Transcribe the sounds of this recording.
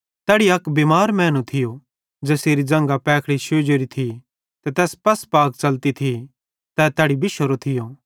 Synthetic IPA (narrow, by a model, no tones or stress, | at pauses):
t̪ɛːɽiɐkbeːmaːɾmɛ̃ːnut̪ʰɪjo | d͡ʒɛːseːɾid͡ʒɐ̃ŋɡapɛːkʰɽiʃoːd͡ʒeɾit̪ʰi | t̪ɛt̪ɛːspɐspaːk̚t͡ʃɐlt̪it̪ʰi | t̪ɛt̪ɛːɽibɪʃoɾot̪ʰɪjoː